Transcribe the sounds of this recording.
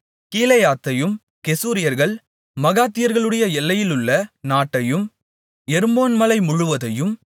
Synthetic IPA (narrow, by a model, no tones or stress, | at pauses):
kiːlɐjaːt̪ːɐjɯm | kɛsuːɾɪjɐɾɣɐɭ | mɐɣaːt̪ːɪjɐɾɣɐɭɯɽɐjɐɛlːɐjɪlɯɭːɐnaːʈːɐjɯm | ɛɾɯmoːnmɐlɐɪmʊɻʊʋɐðɐjɯm